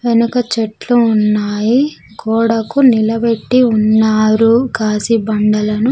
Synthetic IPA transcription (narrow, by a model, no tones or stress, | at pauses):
ʋenukɐt͡ʃeʈluːnːaːji | kɔːɽɐkunilɐbeʈːiunːaːɾukaːsibɐɳɖɐlɐnu